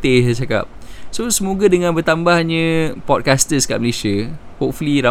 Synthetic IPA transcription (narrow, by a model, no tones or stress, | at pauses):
t̪eat͡ʃaka̰p̚sosəmoɡadəŋãnbərt̪ambahɲə̃pɔt̚kast̪əska̰ʔməlesiə | hop̚fuliɾa